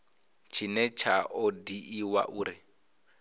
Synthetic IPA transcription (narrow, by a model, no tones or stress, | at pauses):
t͡ʃʰinɛt͡ʃʰaʔɔdiʔiwa̰ʔuːɾi